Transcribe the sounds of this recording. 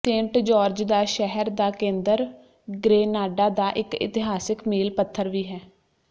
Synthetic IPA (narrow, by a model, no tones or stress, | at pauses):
t̪ẽɳʈd͡ʒɔːɾd͡ʒd̪aːʃɛɦəɾd̪aːkẽːnd̪əɾ | ɡɾeːnaːɖaːd̪aːʔɪkɪ̰t̪ɪɦaːsɪkmiːlpət̪ʰːəɾʋiːɦɛː